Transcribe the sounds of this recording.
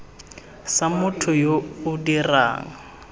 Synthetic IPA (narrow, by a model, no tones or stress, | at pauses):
samʊtʰʊjoʊdira̰ːŋa